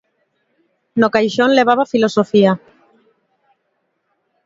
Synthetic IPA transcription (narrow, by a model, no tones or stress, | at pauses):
nokajʃõnleβ̞aβafilosofia